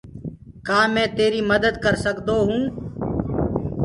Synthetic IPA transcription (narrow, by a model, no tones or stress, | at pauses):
kaːmɛ̃ːt̪eːɾiːməd̪əd̪kəɾsəkd̪oːɦũː